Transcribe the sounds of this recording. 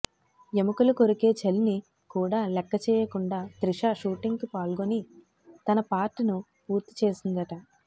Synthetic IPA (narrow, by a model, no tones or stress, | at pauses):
e̞mukuluko̞ɾuke̞ːt͡ʃelni | kuːɽaːlɛkːɐt͡ʃɛːjɐkuɳɖaːt̪ɾiʂaːʂuːʈiŋɡkupaːlɡoni | t̪ɐnɐpaːɾʈːinu | puːɾt̪i̥t͡ʃe̞ːsind̪ɐʈɐ